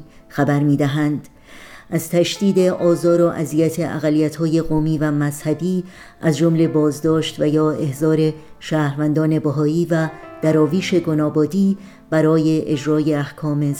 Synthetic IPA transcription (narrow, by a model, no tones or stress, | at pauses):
xæbæɾmiːd̪æɦænd̪̥ | ʔæz̥t̪ʰæʃd̪̥iːd̪e̞ʔɒːzɒːɾoʔæzijæt̪ʰe̞ʔæ̰ɣælːijæt̪hɒːje̞ɣoːmiːvæmæzhæbiː | ʔæzd͡ʒomle̞bɒːzd̪ɒːʃt̪væjɒːe̞hzɒːɾe̞ | ʃæːɾvænd̪ɒːne̞bæɦɒːiːvæd̪̥æɾɒːviːʃe̞ɡo̞nɒːbɒːd̪iː | b̥æɾɒːje̞ʔed͡ʒɾɒːje̞æhkʰɒːme̞